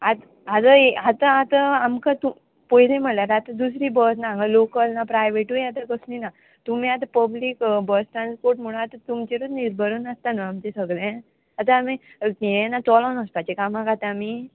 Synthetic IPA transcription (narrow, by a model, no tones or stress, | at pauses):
at̪ | at̪əeɦat̪aat̪aamkat̪u | pɔilẽm̤əʈlaɾat̪ad̪usɾiːbəsnaɡəlokəlnapɾajʋeʈujat̪akəsnina | t̪um̤iːat̪̬apəbliːkbəsʈɾanspoɾʈm̤uɽ̃at̪at̪umt͡ɕeɾud̪niɾbʱəɾuːnast̪anaamt͡ɕẽsəɡɭẽ | at̪aami | jenat͡sɔlanəspat͡ɕekamãkat̪ami